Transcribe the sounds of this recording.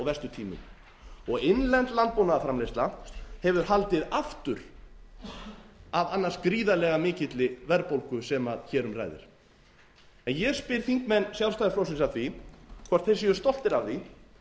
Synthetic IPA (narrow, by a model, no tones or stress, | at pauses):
ɔɣvɛst̪ʏt̪ʰiːmʏ̰m | ɔɣɪnlɛnt̪lant̪̚pownaðafɾamlejst̪lahɛvʏɾ̥halt̪ɪðaft̪ʏɾ̥ | avanːaɾ̥skɾiːðalɛɣamɪːcɪt̪lɪvɛɾpowlkʏsɛmaðçɛːɾʏmra̰jðɪ̰ɾ̥ | ɛnjɛɣspɪɾ̥θiŋkmɛnːsjawɾst̪ajðɪɾfɾowsɪnsaθvikʰaɾ̥t̪θɛs̬ɪʏst̪ɔl̥t̪ɪɾavθi